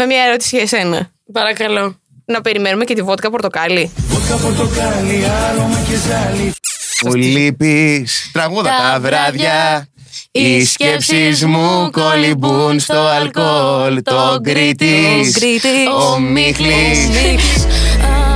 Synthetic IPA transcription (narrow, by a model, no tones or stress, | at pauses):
me̞mɲɐeɾo̞t̪i̥siʝɐse̞nɐ | pɐɾɐkɐlo̞ | nɐpe̞ɾimenume̞cet̪ivo̞t̪ikɐpo̞ɾt̪o̞kɐlivot̪ikɐpoɾt̪okɐliɐlomɐcezɐlimulipist̪ɾɐɣuðɐt̪ɐvɾɐðʝɐ | iscepsizmukolibunst̪o̞ɐlkolt̪oɡɾit̪isomixli